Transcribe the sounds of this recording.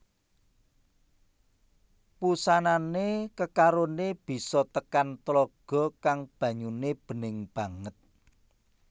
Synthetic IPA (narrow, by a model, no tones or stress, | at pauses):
pusananekəkaɾoneb̥i̤sɔt̪əkant̪lɔɡ̥ɔ̤kaŋb̥ä̤ɲuneb̥ə̤nɪŋb̥ä̤ŋət̪̚